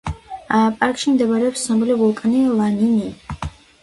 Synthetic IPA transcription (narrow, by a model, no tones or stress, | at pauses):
apʼaɾkʼʃimd̪ɛbaɾɛɔpsnɔblivulˠkʼnilˠanini